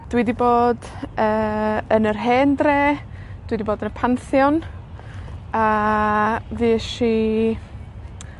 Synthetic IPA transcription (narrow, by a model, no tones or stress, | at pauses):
d̥widiboːd | əːənərɦɛːndreːd̥widiboːdənəpʰanθjɔn | a | viːʃi